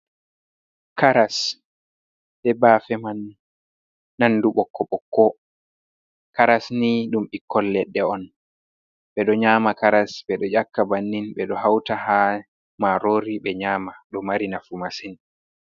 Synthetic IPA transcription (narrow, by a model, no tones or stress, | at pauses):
kaɾas | ɓɛbaːfɛman | anduɓɔkːɔɓɔkːɔ | kaɾasniɗumʔikːɔlːɛɗːɛɔn | ɓɛɗɔɲaːmakaɾasɓɛɗɔd͡ʒakːabanːinɓɛɗɔɦawtaha | maɾoːɾiɓɛɲaːmaɗɔmaɾinafumasin